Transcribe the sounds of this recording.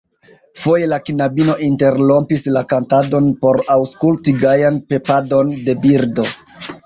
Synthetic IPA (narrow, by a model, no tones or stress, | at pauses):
fo̞je̞lakinabino̞ʔinte̞ɾlo̞mpislakantado̞npo̞ɾawskultiɡajanpe̞pado̞nde̞biɾdo̞